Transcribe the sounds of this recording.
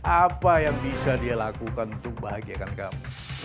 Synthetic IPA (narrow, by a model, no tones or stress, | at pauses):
ʔapajaŋbisadialakukanunt̪ʊk̚baɦaɡiakankamu